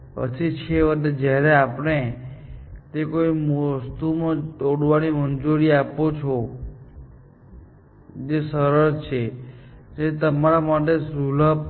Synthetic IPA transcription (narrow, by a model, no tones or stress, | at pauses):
ə̰t͡ʃʰit͡ʃʰeʋəd̪d͡ʒjaɾeapɽ̃e | t̪ekoimst̪umãt̪oɽʋanimənd͡ʒoɾiapot͡ʃʰo | d͡ʒesəɾəɾt͡ʃʰed͡ʒet̪əmaɾamaʈesuləb̚